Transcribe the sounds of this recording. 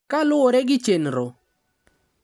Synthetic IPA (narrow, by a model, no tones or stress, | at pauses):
kalʊoɾeɡɪt͡ʃenɾo